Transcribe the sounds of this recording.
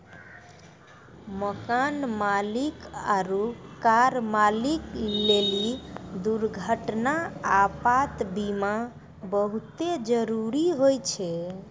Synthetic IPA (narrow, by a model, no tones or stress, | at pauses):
məkanmalikaɾukaɾmaliklelid̪uɾɡʱəʈnaapat̪bima | bəɦut̪ed͡ʒəɾuɾiɦojt͡ʃʰɛ